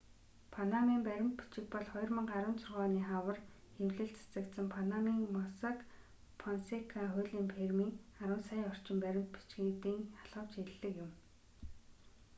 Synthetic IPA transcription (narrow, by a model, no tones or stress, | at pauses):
pʰanamiːmpæɾʲɪ̆mt̪pi̥t͡ɕɪ̆k̚pɔɮχɔj̆rmə̆ŋɢaɾʊ̆ːnt͡sʰʊrʁœːniːχawə̆r | xewɮɘ̆ɬt͡sʰḁt͡sə̆kt̪sə̆mpʰanamiːŋmɔsak | pʰɔnsekʰaχʊɮiːmpʰermiːŋaɾə̆ːnsajɔr̥t͡ɕɪ̆mpæɾʲɪ̆mt̪̚pi̥t͡ɕɡeːt̪iːŋḁɮʁə̆w̥t͡ɕeɮːɘ̆kjʊm